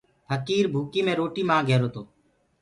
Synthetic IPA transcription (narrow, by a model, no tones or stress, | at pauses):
pʰəkiːɾbʱuːkiːmẽːɾoːʈiːmãːɡʱeːɾoːt̪oː